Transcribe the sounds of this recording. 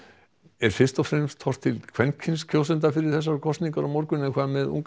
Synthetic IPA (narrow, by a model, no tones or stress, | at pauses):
ɛɾ̥fɪr̥t̪ɔfɾɛmst̪ʰɔr̥t̪ʰːɪlkʰvɛncʰɪnskʰoːws̬ɛnt̪afɪɾɪɾ̥θɛs̬ːaɾkʰɔst̪niŋkaɾɔmɔɾkʏnɛkʰaðmɛðṵŋk